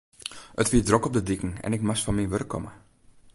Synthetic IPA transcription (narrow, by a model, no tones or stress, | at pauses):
ətʋiədrokɔp̚dədikŋ̩ɛ̰nɪkmasfɔnmiʋørkːɔ̰mə̰